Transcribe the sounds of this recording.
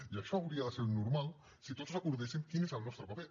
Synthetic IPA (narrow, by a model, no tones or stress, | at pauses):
iaʃɔawɾiaðeseɾnuɾmal | sit̪ot̪zoakuɾðesiŋkinesalˠnɔst̪ɾopape